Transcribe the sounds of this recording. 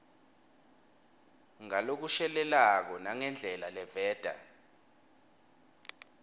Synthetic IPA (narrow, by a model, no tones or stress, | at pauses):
ŋalok̬uʃɛlɛlak̬ɔnaŋɛnd͡ɮʱɛlalɛvɛːd̥ʱa̰